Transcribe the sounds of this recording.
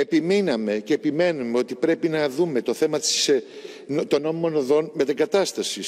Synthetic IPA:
e̞piminɐme̞ce̞ːpime̞numeo̞t̪ipɾe̞pinɐðume̞t̪o̞θe̞mɐt̪i̥s | t̪onomimo̞noðo̞nmet̪ɐɡɐt̪ɐst̪ɐsis

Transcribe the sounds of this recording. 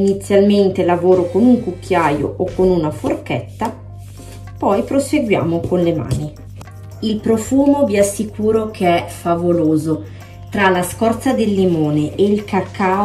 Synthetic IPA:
init̪sːjalment̪elavoːɾokonuŋkukːjaːjo̰ʔokːonunaforkɛt̪ːa | pɔjpɾoseɡwja̰ːmokonlema̰ːni | ilpɾofuːmoviasːikuːɾokʰeɛfavoloːzo | t̪ɾalaskɔrt̪sad̪elːimoːneʔeilkakːaː

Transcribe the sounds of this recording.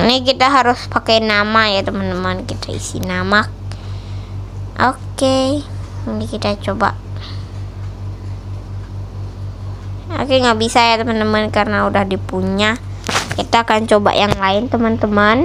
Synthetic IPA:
nɪkit̪aɦaɾʊspakajnamajat̪əmant̪əmankit̪ʰaḭsḭnamak̚ | ʔoke | udikit̪at͡ʃoba̰ʔ | o̰keŋɡaʔbisajat̪əmant̪əmankarnaudahdipuɲa | kit̪aːkant͡ʃoba̰ʔjaŋlaɪnt̪əmant̪əman

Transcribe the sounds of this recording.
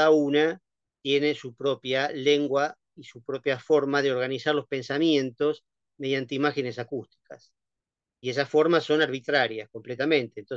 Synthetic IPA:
auna | t̪je̞ne̞supɾo̞pjale̞ŋɡwa | isupɾo̞pjafo̞ɾmað̞eo̞ɾɣ̞anisaɾlo̞spe̞nsamjẽ̞nt̪o̞s | me̞ð̞jant̪eimaxene̞sakust̪i̥kas | ie̞s̬asfo̞ɾmasːo̞naɾβ̞it̪ɾaɾjasko̞mple̞t̪amẽnt̪e̞nt̪o

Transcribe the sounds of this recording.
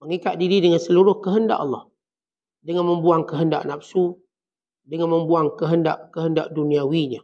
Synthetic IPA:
məŋikaʔ̚diɾidəŋənsəluɾʊhkəɦənda̰ʔɑlːɔ̰h | dəŋanməmbuaŋkəɦənda̰ʔnapsu | dəŋanməmbuaŋkəɦəndaʔkəɦəndaʔduniawiɲa

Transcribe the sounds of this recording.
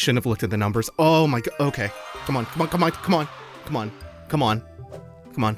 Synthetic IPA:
ʃʊɾɨvlʊk̚tɨt̪̚ðɨnʌ̃mbə˞z̥oʊmaɪɡoʊkʰeɪkʰʌ̃mə̃nkʰʌm̃nkʰʌ̃mə̃nkʰʌ̃mə̃n | kʰʌ̃mə̃n | kʰʌ̃mə̃n | kʰʌ̃mə̃n

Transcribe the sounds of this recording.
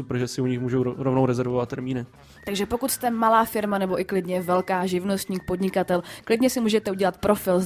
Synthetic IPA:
upɾʒɛsɪuɲɪxmuːʒowɾovnowɾɛzɛɾvovat̪t̪ːɛɾmiːnɪ | t̪aɡʒɛpo̞kut̪st̪ɛmalaːfɪɾmanɛbo̞ʔɪklɪdɲɛvɛlkaːʒɪvno̞st̪ɲiːxpo̞dɲɪkat̪ɛlklɪdɲɛsɪmuːʒɛt̪ɛuɟɛlat̪pɾo̞fɪl

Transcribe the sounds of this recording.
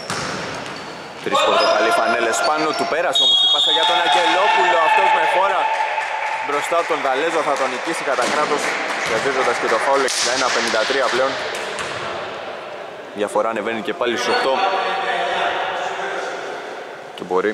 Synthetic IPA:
vɾiskomd̪epɐlifɐnele̞spɐno̞t̪upe̞ɾɐseomosi̥pɐsɐʝɐt̪oenɐɟe̞lo̞pulo̞ɐft̪o̞zme̞xo̞ɾɐ | bɾo̞st̪ɐt̪o̞nðɐle̞zoθɐt̪oɐnicisikɐt̪ɐkɾɐt̪o̞sjɐzezod̪ɐsce̞t̪o̞xaloeksind̪ɐenɐpe̞nind̪ɐt̪ɾiɐple̞o̞n | ðʝɐfo̞ɾɐːne̞venice̞pɐlisoxt̪o̞ | cebo̞ɾi

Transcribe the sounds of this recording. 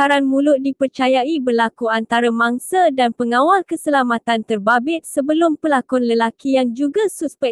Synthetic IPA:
aɾanmũlʊʔ̚dipərt͡ʃajaibərlakuant̪aɾamãŋsadanpəŋawalkəsəlamãt̪ant̪ərbabɪt̪̚səbəlʊmpəlakɔnləlakijaŋd͡ʒuɡasuspɛ

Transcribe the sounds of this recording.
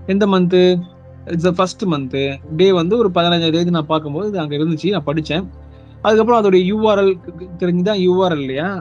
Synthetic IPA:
ɛnd̪ɐmɐnt̪̬ɯ | ɪʈsɐfɐsʈɯmɐnt̪ɯɖeːʋɐnd̪ɯɔɾɯpɐðɪnɐɲd͡ʒad̪ɐjɐð̬ɯnãːpaːɾkɯmpoːðɯɪðɯɐŋɡeɪɾɯnd̪ɯt͡ʃːɯnãːpɐɽɪt͡ʃːẽː | ɐðɯkːɐp̬ːɾɔ̃ɐðɯɽɐjɐjuːʋaːɾɐlt̪ɛɾɪɲd͡ʒɯt̪̬ãːjuːʋaːɾlɪlːɐjaː

